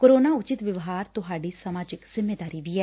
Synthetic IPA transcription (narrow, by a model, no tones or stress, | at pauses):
koːɾoːnaːʊt͡ʃɪt̪ʋɪʋɦaːɾt̪ʊɦaːɖiːsəmaːd͡ʒɪkz̥ɪmːeːd̪aːɾiːʋiːɛː